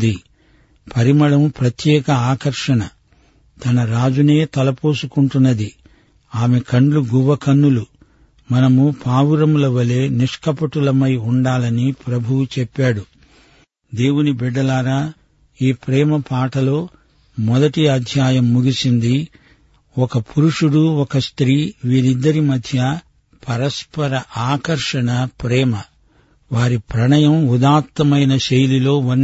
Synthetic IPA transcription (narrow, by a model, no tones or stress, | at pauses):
d̪i | pʰɐɾimɐɭɐmupɾɐt̪jɛːkɐaːkɐɾʂɐnɐ | t̪ɐnɐɾaːd͡ʒune̞ːt̪ɐlɐpoːsukuɳʈunːɐd̪i | aːme̞kɐɳɖluɡuʋɐkɐnːulu | mɐnɐmupaːwuɾɐmulɐʋɐle̞ːniʂkɐpɐʈulɐmɐjuɳɖaːlɐnipɾɐbʱuwut͡ʃɛpːaːɽu | d̪e̞ːwunibiɖːɐlaːɾaː | iːpɾɛːmɐpaːʈɐlo̞ː | mɔd̪ɐʈiɐd̪ʱjaːjɐmːuɡisind̪i | ɔkɐpʰuɾuʂuɽuɔkɐst̪ɾiːʋiːɾid̪ːɐɾimɐd̪ʱjɐ | pʰɐɾɐspɐɾɐʔaːkɐɾʂɐɳɐpɾɛːmɐ | ʋaːɾipɾɐɳɐjɐmud̪aːt̪ːɐmɐjnɐʃejlilo̞ːʋɐnː